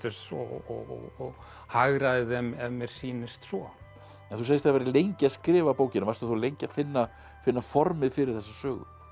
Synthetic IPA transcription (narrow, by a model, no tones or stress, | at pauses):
t̪st̪sɔɔ̰ɣ̰ɣɔ | haɣɾaðɪðɛmɛvɛɾ̥siːnɪst̪svɔ | ɛnθusejɪst̪avɛɾɪlejɲcɪaskɾɪːvapoːwcɪnʏmaɾst̪uθulejɲcafɪnːa | fɪnːafɔɾmɪðfɪɾɪɾθɛsːasœːɣʏ̰